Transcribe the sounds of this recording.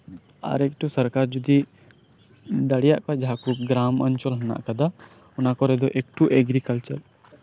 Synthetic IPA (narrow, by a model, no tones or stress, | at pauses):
a̰ɾekʈusɐɾkaːɾd͡ʒud̪i | d̪ɐɽijaʔkad͡ʒaːkup̚ɡɾaːmə̰nt͡ʃɔlɦɐna̰ʔkad̪a | ʊnãkɔɾɛd̪oʔek̚ʈuʔeɡɾikəlt͡ʃəɾ